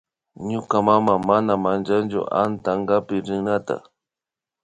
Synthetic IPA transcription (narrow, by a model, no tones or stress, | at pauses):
ɲʊkamamamanamant͡ʃant͡ʃʊ̰ʔa̰nt̪aŋɡapɪɾɪŋnat̪a̰